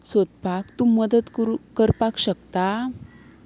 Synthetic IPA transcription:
sot̪̚pakt̪uməd̪ət̪kəɾpakɕəkt̪a

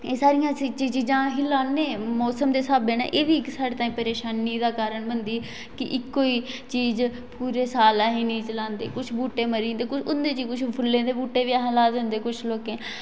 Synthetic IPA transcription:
eːsaːɾɪjãːsit͡ʃiːd͡ʒiːd͡ʒãːɦiːlãːnẽːmɔːsəmd̪eːsaːbẽːna̰ːʔeːd̪iːɪksaːɾeːt̪aːĩːpəɾeːʃaːniːd̪aːkaːɾəɳbənd̪iː | kɪʔɪkːoːiːt͡ʃiːz | puːɾeːsaːlaːɦĩːnĩːt͡ʃəlãːnd̪ḛːkʊt͡ʃʰbuːʈeːməɾĩːnd̪eːkʊʊnd̪ẽːt͡ʃiːkʊt͡ʃʰpʰʊlːẽːd̪eːbuːʈːeːʋiaɦːlaːd̪ə̃ːnd̪eːkʊt͡ʃʰloːkẽː

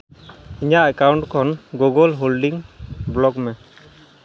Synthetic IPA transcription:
iɲaʔɛkawɳʈkʰɔnɡoɡɔlɦolɖiŋblɔkmɛ

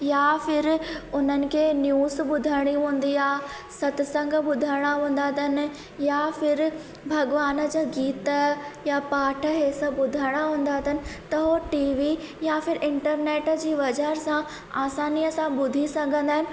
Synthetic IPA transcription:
jaːfɪɾʊn̤ənɪ̆kʰeːnjuːzɓʊd̪ʱaɽ̃iɦũːn̆d̪iaː | sɐt̪ɪsə̃ŋɡʱɓʊd̪ʱaɽ̃aɦũːn̆d̪aːt̪ʰənɪ̆ | jafɪɾ | bʱɐɡʋaːnə̆d͡ʑaːɡiːt̪əjapaːʈʰə̆ɦeːsəɓʊd̪ʱaːɽ̃aɦũːn̆d̪aːt̪ʰənɪ̆t̪ɐɦoʈiːʋi | jaːfɪɾʔɪ̃ɳʈəɾneːʈd͡ʑiːʋɐd͡ʑəɾsã | aːsaːnijəsãɓʊd̪ʱisɐɡʱə̃nd̪aːɦɪnɪ̆

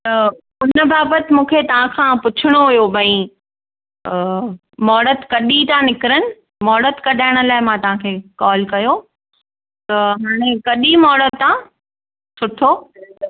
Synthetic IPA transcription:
t̪ɐ | ʊnə̆baːbət̪ɪ̆mũːkʰet̪ɐʋ̤ãkʰãpʊt͡ɕʰɪɽ̃oɦʊjobʱɐ̃ĩ | mɔːɽət̪kɐɗit̪ãnɪkɪɾənɪ̆ | mɔːɽət̪kɐɗʱaːɪɽ̃ə̆laːɪmãt̪ɐʋ̤ãkʰeːkɔːlkɐjo | t̪ɐɦaːɽ̃ẽkɐɗimɔːɽət̪t̪ã | sʊʈʰo

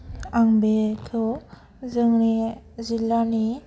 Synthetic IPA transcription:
aŋbetʰɔ | zɯŋɾi | zilːani

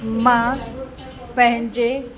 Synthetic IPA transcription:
mã | pɐ̃ɦɪ̃ɲd͡ʑe

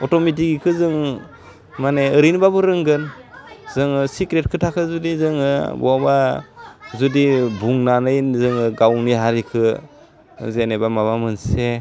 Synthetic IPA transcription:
ɔtomit̬iɡikʰɯzɯŋ | maneɯɾinbabɯɾɯŋɡɯnz̥ɯŋɯsikɾet̚kʰɯtʰakʰɯzudizɯŋɯbɔaba | zudibuŋnanɯjzɯŋɯɡawniɦaɾikʰɯ | zenebamaβamɯnse

